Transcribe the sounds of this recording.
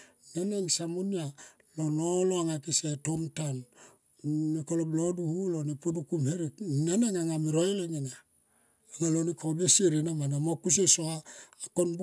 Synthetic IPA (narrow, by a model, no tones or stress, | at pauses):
naneŋsamunia | lonoloaŋakisetomtan | nikolobloduhulonepudukumheɾiknaneŋaŋamiɾojleŋena | aŋalonikʰobesieɾenamanamokus̬esoaːkonb